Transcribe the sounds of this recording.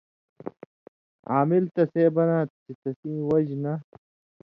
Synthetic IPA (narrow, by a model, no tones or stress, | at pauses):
aːmilt̪ɐseːbɐnãːt̪it̪ɐsĩːwɐd͡ʑnɐ